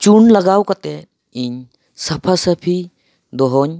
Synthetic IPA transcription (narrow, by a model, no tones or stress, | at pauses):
t͡ʃunlaɡawkat̪e | iɲ | sapʰasəpʰi | d̪ɔɦɔɲ